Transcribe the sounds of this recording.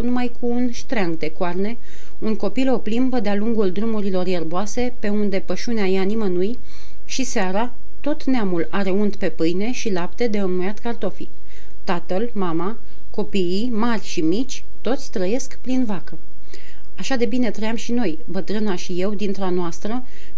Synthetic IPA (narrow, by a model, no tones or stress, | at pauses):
wnumajkʰuːnʃt̪ɾaŋɡd̪e̞koarne̞ | unko̞pilo̞plimbəd̪ealuŋɡuld̪ɾumuɾilo̞rjerboase̞pe̞und̪e̞pəʃuneajanimənuj | ʃiseaɾa | t̪o̞t̪neamulaɾe̞unt̪pe̞pɨjne̞ʃilapt̪e̞d̪e̞ɨmnujat̪kart̪o̞fi | t̪at̪əlmama | ko̞piimarʲʃimit͡ʃʲ | t̪o̞t̪sʲt̪ɾəje̞skpɾinvakə | aʃad̪e̞bine̞t̪ɾəjamʃino̞j | bət̪ɾɨnaʃije̞wd̪int̪ɾanoast̪ɾə